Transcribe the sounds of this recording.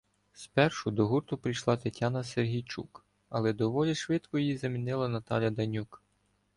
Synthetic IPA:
spɛrʃʊd̪ɔɦurt̪ʊpɾijʃlˠɑt̪ɐtʲːɑnɐserɦʲijt͡ʃṵk | ɐlˠɛd̪ɔʋɔlʲiʃʋɪt̪kɔjjizɐmʲinɪlˠɐnɐt̪ɑlʲjɐd̪ɐnʲuk

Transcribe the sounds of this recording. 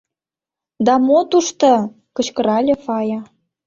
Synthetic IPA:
d̪ɑmot̪uʃt̪ɤ̆ | kɤ̆t͡ɕkɤ̆ɾɑlʲĕfɑjɑ

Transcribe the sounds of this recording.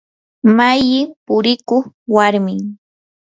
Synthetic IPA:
majɪpʊɾɪkoχwaɾmɪŋ

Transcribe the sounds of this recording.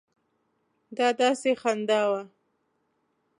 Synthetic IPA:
d̪ɑd̪ɑsexand̪ɑwa

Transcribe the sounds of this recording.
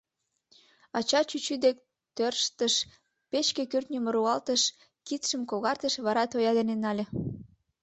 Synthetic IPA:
ɑt͡ɕɑt͡ɕyt͡ɕyd̪ek̚ | t̪ørʃt̪əʃ | pet͡ɕkekørt̪nʲəməɾuɑlt̪əʃ | kit̪ʃəmkoɣɑrt̪əʃβɑɾɑt̪ojɑd̪enenːɑlʲĕ

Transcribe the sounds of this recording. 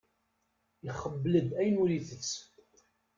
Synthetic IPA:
iχəvːələd̪æjnuɾiθət͡sː

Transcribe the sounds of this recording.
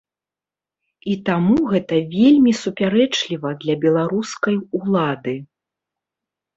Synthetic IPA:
it̪amuɣɛt̪ɐvʲelʲmʲisupʲaɾɛt͡ʂlʲivɐd̪lʲɐbʲɛlˠaɾuskɐjulˠad̪ɨ

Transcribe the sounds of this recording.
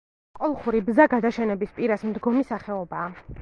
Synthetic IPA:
qʼɔlˠχuɾibzaɡad̪aʃɛnɛbispʼiɾasmd̪ɡɔmisaχɛɔbaː

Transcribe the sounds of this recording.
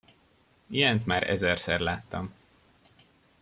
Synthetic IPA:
ijɛnt̪maːɾɛ̰zɛrsɛrlaːt̪ːɒm

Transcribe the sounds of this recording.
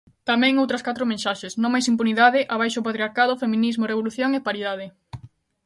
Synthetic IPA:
t̪amɛ̃ŋowt̪ɾɐskat̪ɾʊmẽnsaʃesnõŋmajs̬impuniðaðɪʔaβajʃopat̪ɾiaɾkaðʊfemĩnizmoreβoluθjoŋepaɾiðaðɪ

